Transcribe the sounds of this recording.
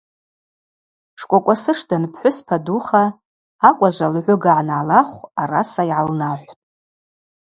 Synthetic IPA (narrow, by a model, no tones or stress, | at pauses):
ʂkʷʼakʷʼasɨʂdanpʰħʷʊspʰaduχaː | kʷʼaʒʷalʕʷʊɡaʕanaʕːlaχʷarasajʕalnaħʷtʼ